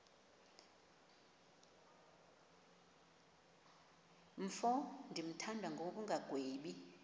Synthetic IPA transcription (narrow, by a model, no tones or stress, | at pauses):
m̩fɔndʱim̩tʰandʱwaŋɡʱok̬uŋɡʱaɡ̥ʱweːɓi